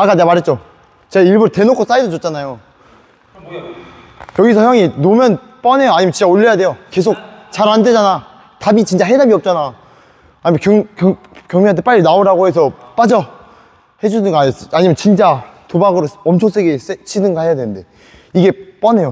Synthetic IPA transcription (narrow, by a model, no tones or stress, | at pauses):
ak͈anemaɾɦe̞t̚t͡ɕ͈o | t͡ɕeɡaiɭbuɾte̞nokʰos͈aidot͡ɕot͡ɕ͈anajo | jʌɡisʰʌçjʌŋinomjʌn | p͈ʌne̞joaɲimjʌnt͡ɕiɲt͡ɕaoʎːʌjade̞joke̞sʰok̚t͡ɕaɾande̞d͡ʑana | tabit͡ɕint͡ɕ͈aɦedabiʌp̚t͡ɕ͈ana | aɲimkʌŋkʌ | kjʌŋmeant̪̬ʰep͈aʎːinaoɾaɡoɦe̞sʰʌp͈ad͡ʑʌ | he̞d͡ʑuɯnɡʌas͈aɲimjʌnt͡ɕint͡ɕ͈atobaɡɯɾoʌmt͡ɕʰoŋs͈ʰeɡeset͡ɕʰinɯnɡʌɦhejadwe̞nɯnde̞ | iɡe̞p͈ʌne̞jo